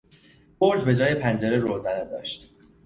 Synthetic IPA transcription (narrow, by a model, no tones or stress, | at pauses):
boɾd̪be̞d͡ʒɒːje̞pʰænd͡ʒeɾeɾoːzæned̪ɒ̰ːʃt̪